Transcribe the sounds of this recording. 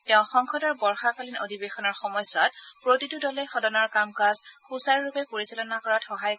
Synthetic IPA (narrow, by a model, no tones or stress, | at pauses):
tɛʊ̃xɔŋxɔdɔɹbɔɹxakalino̰dʱibexɔnɔɹxɔmɔjsɔtpɹotitudɔlɛjxɔdɔnɔɹkamkazkʰusaɹɹupɛpoɹisalɔnakɔɹatxɔɦaj